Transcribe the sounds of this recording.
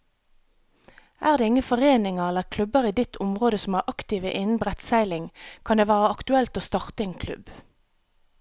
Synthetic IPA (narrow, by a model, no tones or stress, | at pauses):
ʔæːʁd̪eːɪŋəfɔʁeːnɪŋəʁɛləʁkʰlʉbəʁiːd̪ɪt̪ʰʊmʁoːd̪əsɔm̩æːʁʔɑkt̪ɪːʋəʔɪnn̩bʁɛt̪sæɪlɪŋkʰɑnd̪eːʋæːʁəɑkt̪ʉɛlt̪oːst̪ɑʁt̪əeːnkʰlʉ̰b